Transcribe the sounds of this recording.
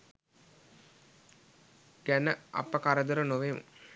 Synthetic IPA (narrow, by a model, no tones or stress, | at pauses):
ɡ̥ænəɐ̰pəkaɾəd̪əɾənoʋemə̰